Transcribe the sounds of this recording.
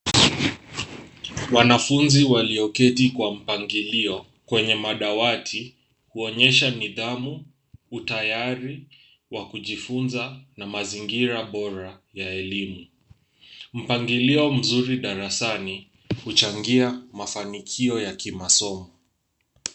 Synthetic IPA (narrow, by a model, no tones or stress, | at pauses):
wanafunziwaliɔkɛtikwam̩paŋɡiliɔ | kwɛɲɛmaɗawatʰi | huɔɲɛʃaniðamu | utajaɾi | wakuʄifunzanamaziŋɡiɾaɓɔɾajaɛlimu | m̩paŋɡiliɔm̩zuɾiɗaɾasani | hut͡ʃaŋɡiamafanikʰiɔjakimasɔmɔ